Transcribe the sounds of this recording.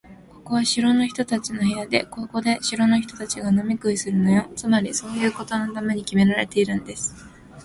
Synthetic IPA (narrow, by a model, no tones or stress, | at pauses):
ko̞ko̞βaɕiɾo̞no̞çʲi̥t̪o̞t̪at͡ɕino̞çiɾad̪e̞̰ko̞ko̞d̪e̞ɕiɾo̞no̞çi̥t̪o̞t̪at͡ɕiɡano̞mʲikɯ̟isɨɾɯ̟no̞jo̞t͡sɨmaɾʲiso̞ːjɯ̟ːkot̪o̞no̞t̪ame̞ɲ̟ikʲime̞ɾaɾe̞t̪e̞iɾɯ̟̃nd̪e̞sɨ̥